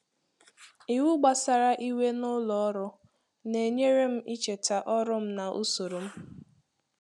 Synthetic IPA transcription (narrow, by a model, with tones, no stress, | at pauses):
i˨wu˦ɡ͡ba˨sa˨ɾa˦ʔi˦we˦nʊ˦lɔ˨ɔ˦ɾʊ˦ | ne˨ɲe˦ɾe˦m̩˦ʔi˦t͡ʃe˨ta˨ʔɔ˦ɾʊ˦m̩˦na˨ʔṵ˦so˨ɾo˨m̩˦